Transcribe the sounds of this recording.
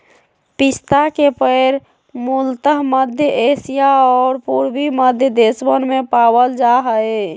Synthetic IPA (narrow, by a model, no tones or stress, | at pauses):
pist̪akepəɪɾ | mult̪əɦməd̪ʱjəʔesijaɔːɾpuɾbiməd̪ʱjəd̪esbənmepabəld͡ʒaɦəj